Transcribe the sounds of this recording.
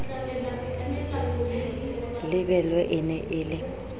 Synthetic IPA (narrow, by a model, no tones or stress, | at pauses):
lɪbɛlwɛʔɪnɛʔɪlɪ